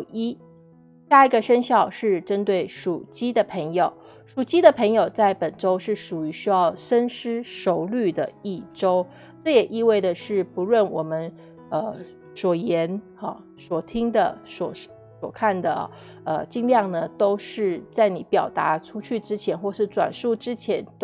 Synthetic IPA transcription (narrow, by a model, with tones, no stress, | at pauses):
i˥ | ɕja˥˩i˧˥ɡə˧ʂə˥nɕjɑ˥˧ʊʂɻ̩˥˩ʈ͡ʂə˥nt̪we˥˩ɪʂu˨˩t͡ɕi˥d̪ə˨pʰə˧˥ŋjo˨˩˦ʊ | ʂu˨˩t͡ɕi˥d̪ə˨pʰɤ˧˥ŋjo˨˩ʊt͡sa˥˩ɪpə˨˩nʈ͡ʂo˥ʊʂɻ̩˥˩ʂu˨˩y˧˥ɕy˥jɑ˥˩ʊʂə˥nʂɻ̩˥ʂo˧˥ʊly˥˩d̪ə̰˩i˥˩ʈ͡ʂo˥ʊ | ʈ͡ʂɤ˥˩jɛ˨˩ʔi˥˧we˥˩ɪd̪ə˩ʂɻ̩˥˩pu˧˥lwə˥˩nwɔ˨˩mə˦n | ə˧ | swɔ˨˩jɛ˧˥n | ɑ˧˩ | swɔ˨˩t̪ʰi˥ŋd̪ə̰˨swɔ˨˩˥ʂ | swɔ̰˨˩kʰa˥˩nd̪ə̰˩ | ə˧t͡ɕi˥˧ŋljɑ˥˩ŋnə˩t̪o˥ʊʂɻ̩˥˩t͡sa˥˩ɪni˧˥pjɑ˨˩ʊt̪a̰˧˥ʈ͡ʂʰu˥t͡ɕʰy˥˩ʈ͡ʂɻ̩˥t͡ɕʰjɛ˧˥nxwɔ˥˧ʂɻ̩˥˩t͡swa̰˨˩nʂu˥˩ʈ͡ʂɻ̩˥t͡ɕʰjɛ˧˥nt̪